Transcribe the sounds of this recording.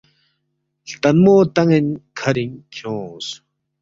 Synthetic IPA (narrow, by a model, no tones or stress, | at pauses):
ɬt̪anmoːt̪aŋinkʰaɾiŋkʰõːs